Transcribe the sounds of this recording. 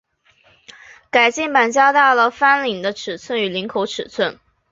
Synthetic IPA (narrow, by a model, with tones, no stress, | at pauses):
ka˨˩ɪt͡ɕi˥˩ŋpa˨˩nt͡ɕja˥t̪a˥˩lə˩fa˥nli˨˩ŋd̪ə˦ʈ͡ʂʰɻ̩˨˩t͡sʰwə˥˩ny˨˩li˧˥ŋkʰo˧˥ʊʈ͡ʂʰɻ̩˨˩t͡sʰwə˥˩n